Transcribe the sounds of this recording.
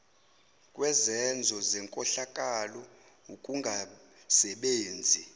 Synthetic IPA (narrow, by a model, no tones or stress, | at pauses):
kʼwɛzɛnd͡zʱɔzɛŋkʼɔɬakʼalɔ | ukʼuŋɡʱasɛɓeːnd͡zʱi